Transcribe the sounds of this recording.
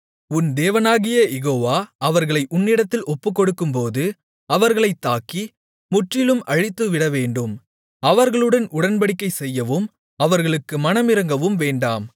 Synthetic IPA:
ʊnd̪eːʋɐnaːɣɪjɐjɛɣoːʋaːɐʋɐɾɣɐɭɐɪʔʊnːɪɽɐt̪ːɪlɔpːɯkːɔɽɯkːɯmpoːðɯ | ɐʋɐɾɣɐɭɐɪt̪ːaːkːi | mʊʈrɪlɯmɐɻɪt̪ːɯʋɪɽɐʋeːɳɖɯm | ɐʋɐɾɣɐɭɯɽɐnʊɽɐnpɐɽɪkːɐɪsɛjːɐʋɯm | ɐʋɐɾɣɐɭɯkːɯmɐnɐmɪɾɐŋɡɐʋɯmʋeːɳɖaːm

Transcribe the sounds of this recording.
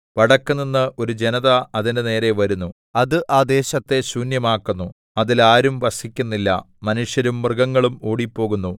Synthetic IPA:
ʋɐɽɐkːunːinːɨʔo̞ɾud͡ʑe̞nɐðɐɐðinɨne̞ːɾe̞ʋɐɾunːu | ɐðɨʔaːd̪e̞ːɕɐt̪ːe̞suːnjɐmaːkːunːu | ɐðilaːɾumʋɐsikʲːunːilːɐ̰ | mɐnuʂjɐɾumːrɨɡɐŋːɐɭumoːɽipːo̞ːɣunːu

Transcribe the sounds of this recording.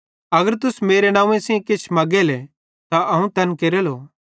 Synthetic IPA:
ɐɡəɾt̪ʊsmeːɾenãːũẽsẽkɪt͡ʃʰmɐɡɛlɛ | t̪aʔɐɦũt̪ɐnkeːɾɛloː

